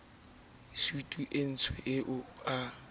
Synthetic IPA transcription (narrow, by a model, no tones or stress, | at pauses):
sutʼuʔen̩t͡sʰwɛʔɪʔʊa